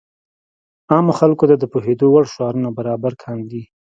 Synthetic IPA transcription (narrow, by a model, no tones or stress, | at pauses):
ɑmoxalkot̪ad̪əpoɦed̪owaɽʃɑɾunabaɾɑbaɾkʰɑnd̪i